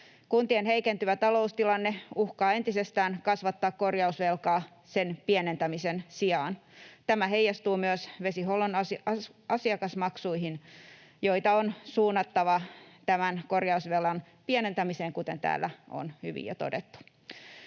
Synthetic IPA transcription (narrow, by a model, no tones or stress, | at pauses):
kunt̪ienɦeikent̪yʋæt̪ɑlo̞ust̪ilɑnːeuhkɑːe̞nt̪isest̪æːnkɑsʋɑt̪ːɑːkkorjɑusʋelkɑː | senpienent̪æmisensiɑːnt̪æmæɦeijːɑst̪uːmyøsʋe̞siholonɑsɑsiɑkɑsmɑksuiɦin | joit̪ɑonsuːnːɑt̪ːɑʋɑt̪æmænko̞rjɑusʋelːɑn | pienent̪æmiseːŋkut̪ent̪æ̰ːlːæo̰nhy̰ʋḭjɑ̰t̪o̰det̪ːu̥